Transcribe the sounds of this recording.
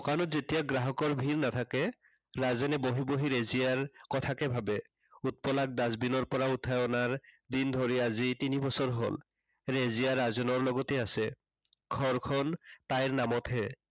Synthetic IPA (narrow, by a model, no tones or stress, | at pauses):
ɔkanɔtzet̪iaɡɹaɦɔkɔɹbʱiɹnat̪ʰakɛ | ɹazenɛboɦiboɦiɾezijaɹkɔt̪ʰakɛbʱabɛ | ut̪̚pɔlak̚d̪azbinɔɹpɔɹaut̪ʰːajɔnaɹ | d̪ind̪ʱoɹiazit̪inibɔsɔɹɦo̰l | ɹezijaɹazɔnɔɹlɔɡɔt̪ɛasɛ | ɡʰʱɔɹkʰɔnt̪ajɹnamɔt̪ɦɛ